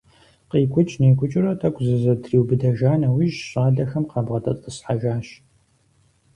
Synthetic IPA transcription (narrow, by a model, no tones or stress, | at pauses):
qeːkʷʼʊt͡ʃʼneːkʷʼʊt͡ʃʼɪrɐtʰɐkʷzɨzɐtʰriːwbɨdɐʒaːnɐwiʒɕʼaːɮɐxɐmqɑːbʁɐtʰʼɐt͡sʼəsħaʒaːʃ